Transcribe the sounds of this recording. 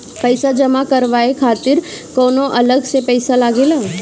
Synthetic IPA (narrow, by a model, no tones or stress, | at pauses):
pəɪsad͡ʒəmakəɾʋaːekʰaːt̪ɪɾkoːnoʔɐləɡsepəɪsalaːɡelaː